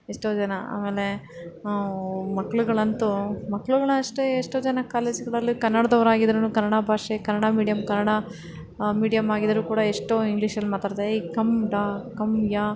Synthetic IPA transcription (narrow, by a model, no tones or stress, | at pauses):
eʂʈoːd͡ʒɐnɐa̰ːme̞ːle̞ | mɐkːɐɭuɡɐɭɐnt̪umɐkːɐɭuɡɐɭɐʂʈeːʂʈoːd͡ʒɐnɐkaːle̞ːd͡ʒiɡɐɭɐlːikɐnːɐɽɐd̪ɐʋɾaːɡid̪ɾɐnuːkɐnːɐɽabʱaːʂekɐnːɐɽamiːɽijɐmkɐnːɐɽa | miːɽijɐmaːɡid̪ɐɾuːkuːɽɐeʂʈoːiŋɡliːʃɐlmaːt̪aːɾd̪eɐjkɐmɖaːkɐmjaː